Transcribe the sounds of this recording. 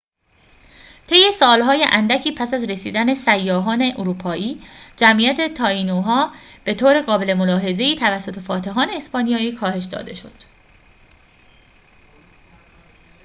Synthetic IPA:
t̪ʰe̞jːe̞sɒːlɦɒːjeʔænd̪æcʰiːpʰæsæzɾe̞sḭːd̪æne̞sæjːɒːɦɒːne̞ʔoɾuːpʰɒːʔiːd͡ʒæmʔijæt̪ʰe̞t̪ʰɒːinoɦɒːb̥e̞t̪ʰoːɾe̞ɣɒːbe̞le̞mo̞lɒːɦe̞ze̞iːt̪ʰævæsːo̞t̪ʰe̞fɒːt̪ʰe̞ɦɒːne̞ːspɒːnijɒːiːkʰɒːhe̞ʃd̪ɒ̰ːd̪e̞̰ʃo̞̰d̪̥

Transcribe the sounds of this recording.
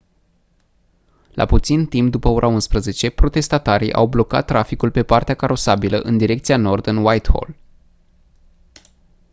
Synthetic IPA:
lʔa̰put̪sint̪imp̚d̪upəo̞ɾʔaunspɾəze̞t͡ʃe̞pɾo̞t̪e̞st̪at̪aɾḭʔa̰wblo̞ka̰t̪ːɾafikulpe̞part̪eakaɾo̞sabilə̰ʔɨnd̪iɾe̞k̚t̪siano̞rd̪ɨnwajt̪ho̞̰l

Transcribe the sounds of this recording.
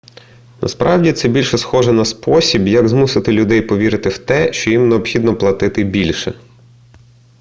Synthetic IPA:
nʔɐ̰spɾʔɑwdʲit̪sɛbʲilʲʃɛsxɔʒɛnɐspɔsʲibjɐɡzmusɪt̪ɪlʲʊd̪ɛjpɔʋʲiɾɪt̪ɪwt̪ɛʃt͡ʃɔjimneɔpxʲid̪nɔplˠɐt̪ɪt̪ɪbʲilʲʃɛ̰

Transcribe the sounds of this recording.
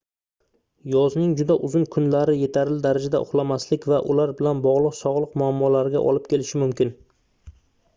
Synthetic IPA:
jɒznɪŋd͡ʒʊd̪aʔʊzʊnkʰʊnlaɾɪje̞t̪ʰaɾɪld̪aɾad͡ʒad̪a̰ʔʊ̰χlˠamaslɪkʲvaʔʊlaɾbɪlanbɒʁlˠɨqsɒʁlˠɨqmʊamːɒlaɾɡʲa̰ʔɒ̰lˠɪp̚kʲʰe̞lɪʃɪmʊmkʲɪn

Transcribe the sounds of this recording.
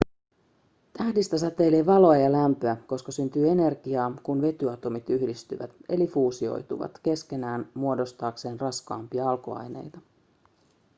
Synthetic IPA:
t̪æhdist̪æsæt̪ːe̞jleʋɑlo̞ɑjɑlæmpøæko̞skɑsynt̪yːe̞ne̞rɡ̥iɑːkunʋe̞t̪yɑt̪o̞mit̪yhdist̪y̰ʋæ̰t̪e̞lifuːsio̞̰jt̪ṵʋɑ̰t̪ke̞sk̟e̞næːnmuo̞do̞st̪ɑːkse̞ːnrɑskɑ̰ːmpiɑɑlkoɑ̰jne̞̰jt̪ɑ

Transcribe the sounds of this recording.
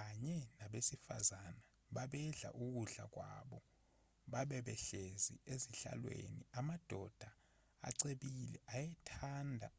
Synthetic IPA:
aɲɛnaɓesifazana | ɓaɓɛɮa̰ʔuk̬uɮa̰k̬wa̰ɓɔ | ɓaɓɛɓɛɬezḭeziɬa̰lwḛnḭamad̥ʱɔd̥ʱa | a̰ǀeɓilɛ̰ʔajɛtʰaːndʱa̰

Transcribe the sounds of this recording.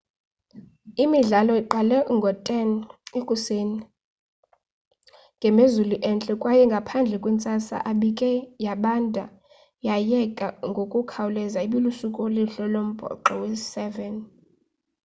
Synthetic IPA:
imiɮalɔiǃalɛŋɡʱɔtʼɛnekʼuseːni | ŋɡʱɛmezuluʔɛnt͡ɬʼɛkʼwajɛŋɡʱapʰand͡ɮʱɛkʼwint͡sʼasa̰ʔaɓikʼɛjaɓandʼʱa̰ | jajɛkʼaŋɡʱokʼukʰawulɛzaiɓilusukʼoliɬɔlom̩b̥ʱɔ̰ǃɔwe̥sɛvɛn

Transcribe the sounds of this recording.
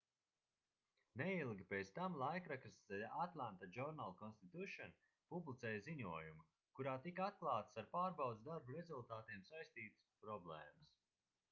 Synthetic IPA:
nɛilˠɡʲipeːt̪st̪amlˠajkɾakɨsɛlat̪lˠant̪ad͡ʒɔɾnalˠkɔnst̪it̪ʲuʃɔn | publˠit̪sɛːjziɲuɔjumu | kuɾaːt̪ikat̪̚klˠaːt̪ə̥saɾpaːɾbawd̪zd̪aɾbuɾezulˠt̪aːt̪iɛmsajst̪iːt̪ɨ̥spɾɔblˠɛːməs

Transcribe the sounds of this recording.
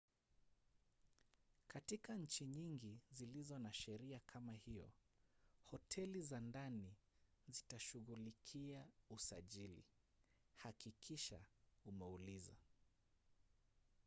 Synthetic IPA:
katikaɲ̩t͡ʃiɲiŋɡizilizɔnaʃɛɾiakʰamahijɔ̰ | hɔtʰɛlizandanizitaʃuɣulikʰiausaʄilḭ | hakikʰiʃa̰umɛuliza̰

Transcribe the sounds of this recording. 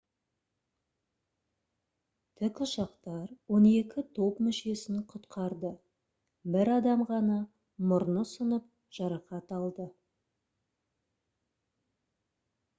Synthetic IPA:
t̪ʰɪkʃɑqt̪ɑɾwo̞ne̞kʲɪt̪ʰo̞pmʏʃe̞sɪŋqʰʊt̪qʰɑɾd̪ə | bɪɾɑd̪ɑmʁɑnɑ | mʊɾnəsənəp̚ | ʒ̥ɑɾɑqɑt̪ɑlˠd̪ə

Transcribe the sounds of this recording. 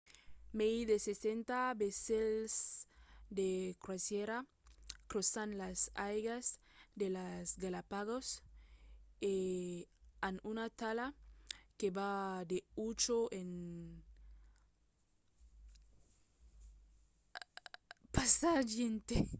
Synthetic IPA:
meiðesesent̪abesels | d̪ekɾwasjeɾa | kɾosanlasajɣasd̪elasɡalapaɣos | e | anunat̪alakebad̪eut͡ʃoen | pasad͡ʒjent̪e

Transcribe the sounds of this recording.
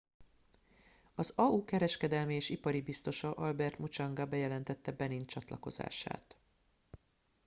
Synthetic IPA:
ɒzɒukɛɾɛʃkɛd̪ɛlmieːʃipɒɾibist̪o̞ʃɒʔɒlbɛrt̪mut͡ʃɒŋɡɒbɛjɛlɛnt̪ɛt̪ːɛbɛnint͡ʃɒt̪lɒ̰ko̞̰za̰ːʃa̰ːt̪

